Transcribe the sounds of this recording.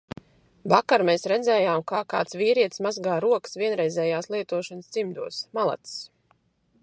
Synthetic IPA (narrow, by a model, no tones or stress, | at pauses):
vakaɾmeːsɾɛd̪zɛːjaːmkaːka̰ːt̪sviːɾiɛt̪smazɡaːɾuɔksviɛnɾɛjzɛːjaːslˠiɛt̪uɔʃansd̪z̥imd̪uɔsmalˠa̰t̪s